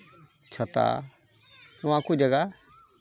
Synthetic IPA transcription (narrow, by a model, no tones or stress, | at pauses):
t͡ʃʰət̪a̰ | ʊãkud͡ʒəɡa